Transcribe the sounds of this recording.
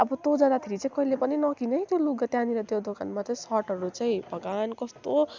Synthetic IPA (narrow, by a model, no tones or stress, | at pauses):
ʌbʌt̪od͡zʌd̪at̪ʰiɾit͡saĩkʌɦilepʌninʌkinʌɦĩt̪joluɡɡʌt̪janiɾʌt̪jod̪oka̰nmat͡saĩsʌɾʈɦʌɾut͡saĩbʱʌɡankʌst̪o